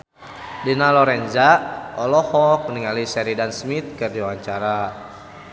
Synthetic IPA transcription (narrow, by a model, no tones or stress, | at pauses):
dinalɔɾɛnd͡ʒaɔlɔhɔk̚niŋalisɛɾidansmit̪̚kɨrdiwaɲt͡ʃaɾa